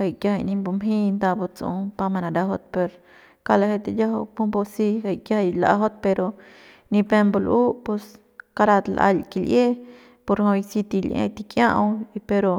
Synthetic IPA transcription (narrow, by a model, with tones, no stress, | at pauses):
ha˧˨jkja˧˦a˧ni˧mbo˧mɦi˦nd̪a˧bo˧t͡sṵ˧pa˧ma˧na˨d̪a˧˦ɦo˧t̪̚pe˧ɾ | ka˧la˧he˦˧t̪e˧ja˦ɦo˧pu˦mbo˧si˧ha˧˨jkja˦ha˧jla̰˨˧ɦo˦d̪̚pe˧ɾo˧ | ni˧pe˧mbo˧lʔu˦po˧s | ka˧ɾa˧t̪lʔa̰˧lki˧lʔe˦ | po˧ɾho˧jsi˧t̪i˧lʔḛ˧t̪i˧kjã̰˦ʔwi˧pe˧ɾo˧